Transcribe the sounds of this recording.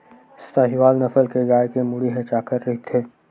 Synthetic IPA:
ɪst̪aɦiʋaːlnɐfəlkeɡaːjkemʊɽiɦɐt͡ʃaːkəɾːɐɦit̪ʰeː

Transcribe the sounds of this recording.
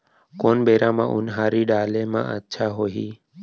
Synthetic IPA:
konbeɾãmã̰ʔunɦaɾiɖaːlemã̰ə̰tːʃʰaɦoɦiː

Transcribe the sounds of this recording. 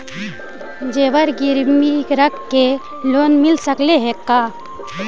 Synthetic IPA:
d͡ʒewəɾɡiɾmikɾəkːe | loːnmɪlsəkleɦekːaː

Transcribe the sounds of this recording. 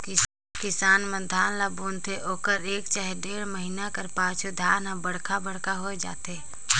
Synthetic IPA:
k | kɪsaːnmə̃d̪ʱaːnlabuːnt̪ʰeʔoːkəɾeːkt͡ʃaːɦeɖeːɽməɦinakəɾpaːt͡ʃʰod̪ʱaːnɦãbəɽ̤kʰabəɽkaɦoːed͡ʒa̰ːt̪e

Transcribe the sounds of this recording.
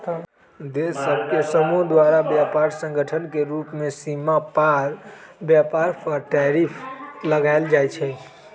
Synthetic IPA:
d̪esəbkesəmuɦd̪waɾabjapaɾsə̃ŋɡʱəʈʰənkeɾupmẽsimapaɾ | bjapaɾpʰəɾʈɛɾipʰləɡaeld͡ʒaɛt͡ʃʰɛ

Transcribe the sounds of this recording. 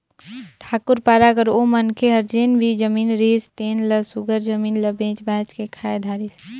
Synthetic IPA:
ʈʰaːkʊɾpaːɾakəɾomənkʰeɦəɾd͡ʒeːnbʱid͡ʒəmiːnɾest̪eːnləsuɡəɾd͡ʒəmiːnləbẽːt͡ʃbɛ̃ːt͡ʃkekʰaed̪ʱaːɾis

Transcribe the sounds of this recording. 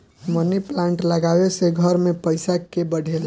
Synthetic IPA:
məniplãɳʈləɡaweseɡʱəɾmepəɪsakebəɽ̤ʱel

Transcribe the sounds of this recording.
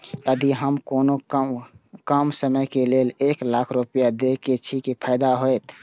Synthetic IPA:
əd̪iɦəmkoːno | kəmsəməjkeleleklakʰɾupijad̪eket͡ʃʰikepʰaɪd̪aɦojt̪

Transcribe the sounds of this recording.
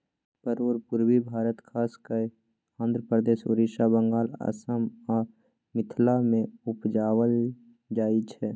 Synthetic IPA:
pəɾoːɾpʊɾwibʱaːɾət̪kʰaːskə | ãnd̪ɾəpɾəd̪eːʃo̰ɾiʃabəŋɡaːla̰səma | mɪt̪ʰlamẽʊpd͡ʒaːwəl | d͡ʒaːit͡ʃʰɛː

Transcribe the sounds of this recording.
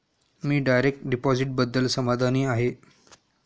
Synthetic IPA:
miːɖajɾek̚ʈɖipɔziʈ̚bəd̪ːəlsəmad̪ʱaniːaɦe

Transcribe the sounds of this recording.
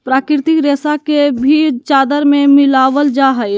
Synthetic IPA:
pɾaːkɪɾt̪ɪkɾeːsakebʱit͡ʃaːd̪əɾmẽmɪlaːʋəld͡ʒaɦəj

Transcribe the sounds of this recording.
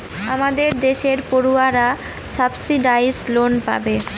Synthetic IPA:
amad̪eɾd̪eʃeɾpoɾuaɾa | sabsiɖajzlonpa̰be

